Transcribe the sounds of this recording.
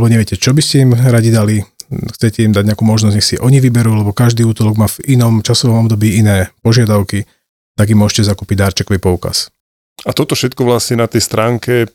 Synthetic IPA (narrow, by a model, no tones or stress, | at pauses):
ɛbɔɲɛʋɛcɛt͡ʃɔbiscɛimɾaɟid̪alixt͡sɛcɛimd̪aɟɲɛakuːmɔʒnɔzɲɛxsiʔɔɲiʋibɛɾuːlɛbɔkaʒd̪iːuːt̪ɔlɔɡmaːvinɔmt͡ʃasɔʋɔmɔbd̪ɔbiːinɛːpɔʒɪad̪aʊki | t̪aɡimʊɔʒɛcɛzakuːpiɟd̪aːɾt͡ʃɛkɔʋipɔuka̰s | at̪ɔt̪ɔfʃɛt̪̚kɔʋlasɲɛnat̪ɛjst̪ɾaːŋkɛ